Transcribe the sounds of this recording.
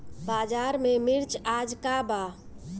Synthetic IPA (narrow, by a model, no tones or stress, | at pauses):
bad͡ʒaɾmemiɾt͡ʃad͡ʒkaba